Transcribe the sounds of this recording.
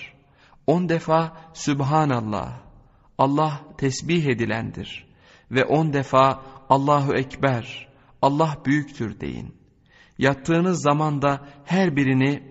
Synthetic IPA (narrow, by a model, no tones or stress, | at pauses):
o̞nd̪efaːsybɦaːnalˠːa̰h | ɑlˠːaht̪ʰɛsbiɦe̞d̪ilʲæ̰nd̪ḭɾ | vɛʔo̞nd̪efaːlˠːaːɦuɛcbæɾ | ɑlˠːaɦbyjyct̪ʰyɾd̪e̞̰jḭn | jap̚t̪ʰːɯːnɯzːamand̪ahæɾbiɾini